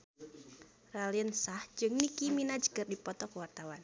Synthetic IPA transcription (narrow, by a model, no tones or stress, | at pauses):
raliənsahd͡ʒɨŋnikiminad͡ʒə̥ɡərdipɔt̪ɔkəwart̪awan